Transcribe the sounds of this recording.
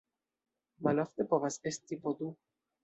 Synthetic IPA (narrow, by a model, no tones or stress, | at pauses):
malɔft̪ɛpɔvasɛst̪ipɔd̪u